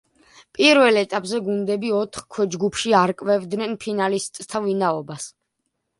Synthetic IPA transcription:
pʼiɾvɛlɛt̪ʼapʼzɛɡund̪ɛbiɔt̪ʰχkʰwɛd͡ʒɡupʰʃiaɾkʼvɛvd̪nɛnpʰinalist̪ʼt̪ʰavinaɔbas

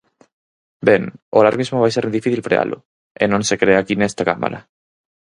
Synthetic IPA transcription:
beŋolaɾɣmizmoβajseɾd̪ifiθilfɾea̰lʔʊ̰ | ḛnõŋsekɾeakinest̪akama̰ɾɐ̰

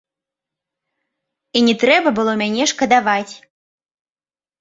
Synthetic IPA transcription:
inʲɛt̪ɾɛbɐbɨlˠɔmʲanʲɛʂkɐd̪avat͡sʲ

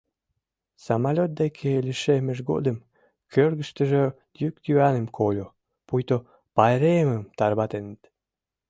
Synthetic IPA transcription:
sɑmɑlʲot̪̚d̪ekʰeliʃemə̆ʒɡo̰d̪əm | kʰørɣəʃt̪ə̆ʒe | d̪jyk̚t̪jyænə̆mkʰolʲo | pujt̪o | pɑjɾeəməmt̪ɑrβɑt̪enət̪

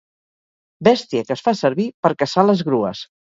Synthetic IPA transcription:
bɛst̪iəkəsfasəɾβipəɾkəsaləzɣɾuə̰s

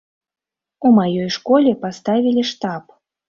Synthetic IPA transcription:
umajɔjʂkɔlʲɛpast̪avʲilʲiʂt̪ap

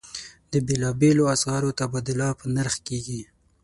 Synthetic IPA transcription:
d̪əbelɑbeloasɣɑɾot̪abɑd̪ʊlɑpənaɾxkeɡi

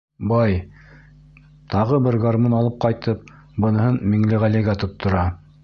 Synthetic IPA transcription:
bɑj | t̪ʰɑʁɤbɘɾɡaɾmonɑlˠɤp̚qɑjt̪ɤp̚ | bɤ̆nɤ̆hɤnmiŋlɘʁælɘɡæt̪ŏt̪ːŏɾɑ

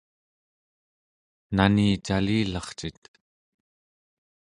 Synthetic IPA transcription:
naniːt͡ʃaliːlɑχt͡ʃit̪

